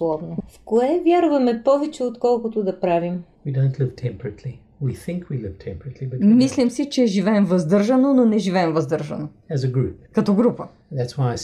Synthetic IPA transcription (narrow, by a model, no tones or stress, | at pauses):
lˠɔvnofkoɛvʲjaɾvɐmɛpɔvɛt͡ʃɛot̪kɔlˠkʊt̪ʊd̪ɐpɾavimwidõʊ̃ntʰlɪv̥tʰɛ̃mpəɹətʰli | wiθɪ̃ŋkʰwilɪv̥tʰɛ̃mpəɹətʰlibɐtmislʲimsit͡ʃɛːʒivɛɛmvɐzd̪əɾʒɐnononɛʒivɛɛmvɐzd̪ɤɾʒɐ̰no | ɨzəɡɹʉp̚kɐt̪ɔɡɾupə | ðætswaɪa